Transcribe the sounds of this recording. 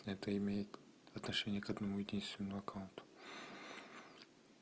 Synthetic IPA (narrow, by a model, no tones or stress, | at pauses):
nʲɛt̪əimʲejɪt̪ | ɐt̪nɐʂenʲɪjəkɐd̪nɐmuidʲinst̪vʲɪnːɨmɐkaʊnt̪ʊ̥